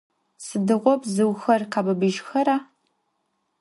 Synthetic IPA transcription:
sɨdɨʁʷɔpzɨwxɐrqaːbɐbɨʒxɐɾaː

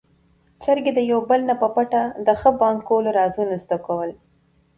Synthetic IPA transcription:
t͡ʃaɾɡed̪əjawbəlnapəpaʈad̪əxəbɑŋkːoloɾɑzunazd̪akawəl

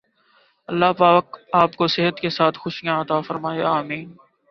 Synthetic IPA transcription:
ɐlːaːpaːk̚aːpkosɪɦət̪kesaːt̪ʰxʊʃijãɐt̪aːfɐɾmaːeaːmiːn

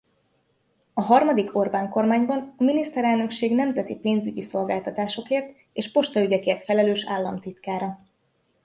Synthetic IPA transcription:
ɒɦɒrmɒd̪ikʰo̞rbaːŋko̞rmaːɲbɒnɒminist̪ɛɾɛlnø̞kʃeːɡnɛmzɛt̪ipeːnzyɟiso̞lɡaːlt̪ɒt̪aːʃo̞keːrt̪ | eːʃpo̞ʃt̪ɒyɟɛkeːrt̪fɛlɛløːʃa̰ːlːɒmt̪it̪kaːɾɒ

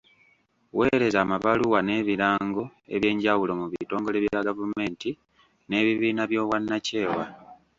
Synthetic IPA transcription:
we̞ɾe̞zaːmaβaluwane̞ːβiɾaːŋɡo̞e̞̰βje̞ːɲɟawulo̞muβito̞ːŋɡo̞le̞βjaɡavume̞ːnti | ne̞ːβiβiːnaβjo̞ːwanːace̞ːwa

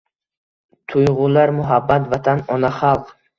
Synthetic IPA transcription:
t̪ʰujʁulaɾmuɦabːat̪vat̪ʰanɔnaχalˠq

